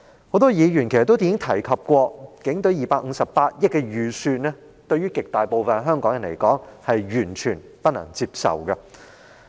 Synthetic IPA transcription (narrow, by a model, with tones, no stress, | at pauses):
ho˨˥wt̪ɔː˥jiː˨˧ɥyː˨˩nke˨˩st̪ːo˥wt̪i˧˥ŋɪ˥ŋt̪ʰɐ˨˩jkʰɐ˨p̚kʷɔː˧kɪ˨˥ŋt̪ɵ˨˥ɥjiː˨˩paː˧k̚ŋ̩ː˨˧sɐ˨ppaː˧t̚jɪ˥t̚kːɛ˧ɥyː˨˩syː˧tnɛ˥ | t̪ɵ˧ɥyː˥kɪ˨k̚t̪aː˨jpo˨wfɐ˨nɦœː˥ŋkɔː˨˥ŋjɐ˨˩nlḛ˨˩jkɔː˨˥ŋhɐ˨jɥyː˨˩nt͡ʃʰyː˨˩n | pɐ˥t̚nɐ̰˨˩ŋt͡siː˧p̚sɐ̰˨˩wkɐ˧